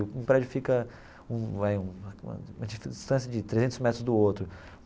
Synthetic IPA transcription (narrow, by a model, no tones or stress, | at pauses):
ʊĩpɾɛd͡ʒʊfikɐ | ũajũṵ̃ũmɐd͡ʒifd͡ʒist̪ɐ̃sjɐd͡ʒɪt̪ɾezẽnt̪ʊzmɛt̪ɾʊzd̪ʊowt̪ɾʊ